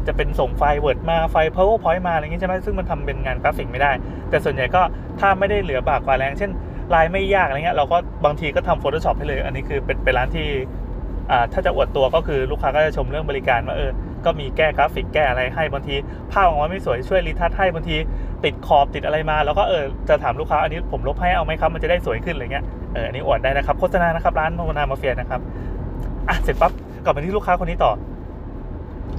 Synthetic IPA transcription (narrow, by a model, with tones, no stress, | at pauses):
t͡ɕa˨˩pe˧nso˨˩ŋfa˧jwɤː˨˩t̪̚maː˧fa˧jpʰɤː˦˥wpʰɔ˨˦˥jmaː˧˨i˧˦˥a˥˩ma˦˥sɯ˥˩ŋma˧nt̪ʰa˧mpe˧nŋaː˧nkɾaː˦˥pfi˨˩k̚ma˥˩jdaː˥˩j | t̪ɛː˨˩su˨˩ənja˨˩jkɔː˥˩ | t̪ʰaː˥˩ma˥˩jda˥˩jlɯ˩˦ɐbaː˨˩kwaː˨˩lɛː˦˥ŋt͡ɕʰe˥˩n | ɾaː˧jma˥˩jːaː˥˩k̚ʔa˧˨ŋi˦˥˧ɾa˧wkɔː˥˩baː˧ŋt̪ʰiː˧kɔː˥˩t̪ʰa˧mfoː˧t̪ʰoː˧sɔː˨˩p̚ha˥˩˨lɤː˧jʔa̰˧nːiː˦˥kʰɯː˧pe˧npe˧nɾlaː˦˥nt̪ʰiː˥˩ | ʔaː˨˩t̪ʰaː˥˩t͡ɕa˨ʔu˨˩ət̪ːu˧ɐkɔː˥˩kʰɯː˧ɾuː˥˩kʰaː˧kɔː˥˩t͡ɕa˨˩t͡ɕʰo˧mɾɯ˥˩əŋbɔː˧li˦˥kaː˧nwaː˥˩ʔɤː˧kɔː˥˩miː˧kɛː˥˩kɾaː˦˥fi˨˩kːɛː˥˩ʔa˧ɾa˧jɦa˥˩jbɔ˧ŋt̪ʰiː˧ | pʰaː˥˩p̚ʔma˧ma˥˩jsu˨˩˦jt͡ɕʰu˥˩əjli˦˥t̪ʰːa˦˥t̪̚ha˥˩jbɔː˧ŋt̪ʰiː˧t̪i˨˩t̪̚kʰɔː˨˩p̚t̪i˨t̪̚ʔa˧ɾa˧jmaː˧lɛː˦˥kɔː˥˩ʔɤː˧t͡ɕa˨˩t̪ʰaː˩˦mluː˥˩kʰaː˦˥ʔa˧niː˦˥pʰo˩˦mlo˦˥p̚ha˥˩jʔa˧wma˦˥jkʰa˦˥p̚ma˧t͡ɕa˨˩da˥˩jsu˨˩˦əjkʰɯ˥˩nlaː˧˨ŋi˦˥ɐ | ʔɤː˧ʔa̰˧nːiː˦˥ʔu˨˩t̪̚daː˥˩jna˦˥kʰa˦˥p̚kʰo˥˩sa˧naː˧na˦˥kʰa˦˥p̚ɾaː˦˥nma˥˩ma˧naː˧maː˧˩fi˧əna˦˥kʰa˦˥p̚ | ʔa˧˩se˨˩˦pa˦˥p̚ | ka˨˩pa˧t̪i˥luː˥˩kʰaː˦˥kʰo˧nːiː˦˥t̪ɔː˨˩